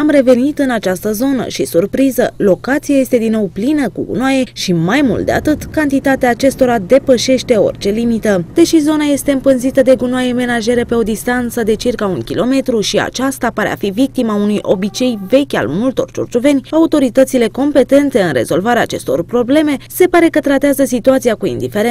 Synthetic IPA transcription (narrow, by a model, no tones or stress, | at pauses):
amre̞ve̞nit̪ɨnat͡ʃast̪əzo̞nə̰ʃisurpɾizəlo̞kat̪siaje̞st̪e̞d̪inːo̞wplinəkṵɡṵnwaje̞ʃimajmṵlt̪̚d̪ḛa̰t̪ɨt̪kant̪it̪at̪eaːt͡ʃe̞st̪o̞ɾad̪e̞pəʃe̞ʃt̪e̞o̞̰rt͡ʃe̞limit̪əd̪̥e̞ʃizo̞naje̞st̪e̞ɨmpɨnzit̪əd̪e̞ɡunwaje̞me̞naʒe̞ɾepe̞o̞d̪ist̪ant̪səd̪e̞t͡ʃirkaunkʲilo̞me̞t̪ɾuʃia̰t͡ʃast̪apaɾḛa̰fivik̚t̪imaunujʔo̞̰bit͡ʃe̞jve̞kʲa̰lmult̪o̞̰rt͡ʃṵrt͡ʃuve̞nʲaut̪o̞ɾit̪ət̪sile̞ko̞mpe̞t̪e̞nt̪e̞ɨnre̞̰zo̞lvaɾeaːt͡ʃe̞st̪o̞̰rpɾo̞ble̞me̞se̞paɾe̞kət̪ɾat̪eazəsit̪uat̪siakuḭnd̪ifeɾe